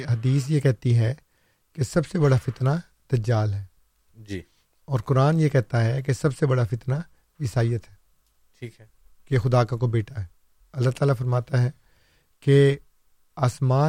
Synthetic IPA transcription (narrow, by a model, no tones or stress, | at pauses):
ɦɐd̪iːs̬jekɛɦt̪iɦɛ | kesɐbsebɐɽafɪt̪na | d̪̥ɐd͡ʒaːlɦɛː | d͡ʒiː | ɔːɾkʊɾaːnjekɛɦt̪aɦɛkesɐbsebɐɽafɪt̪na | ɪsaːijət̪ɦɛː | ʈʰiːkɛ | kexʊd̪aːkakobeːʈʰaɦɛː | ɐlːaɦt̪aːlafɐɾmaːt̪aɦɛː | ke | aːsmaː